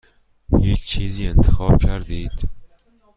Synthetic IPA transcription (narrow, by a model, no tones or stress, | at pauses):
hiːt͡ɕʰt͡ɕʰiːziːent̪ʰɪ̥χɑːbkʰæɾd̪iːt̪